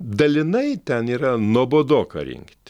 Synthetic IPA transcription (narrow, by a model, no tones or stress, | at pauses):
d̪ɐlʲɪnɐɪt̪ʲɛniːɾɐnuɔboːd̪oːkɐ̰ɾʲɪ̰ŋkt̪ʲ